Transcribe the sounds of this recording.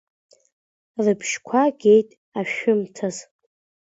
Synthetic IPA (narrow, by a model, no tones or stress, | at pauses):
rɨpʰʃkʷʰaɡʲe̞jtʼ | aʃᶣʊmtʰaz